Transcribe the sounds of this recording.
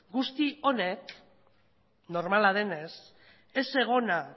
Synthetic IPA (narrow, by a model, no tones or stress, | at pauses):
ɡust̪io̞ne̞k | no̞ɾmalað̞e̞ne̞s | e̞se̞ɣ̞o̞na